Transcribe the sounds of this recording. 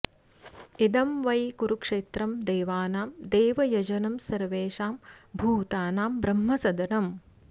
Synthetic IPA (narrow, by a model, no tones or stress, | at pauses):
id̪ɐmʋɐjkuɾukʂeːt̪ɾɐmd̪eːʋaːnaːmd̪eːʋɐjɐd͡ʒɐnɐmsɐɾʋeːʂaːmbʱuːt̪aːnaːmbɾɐmɦɐsɐd̪ɐnɐm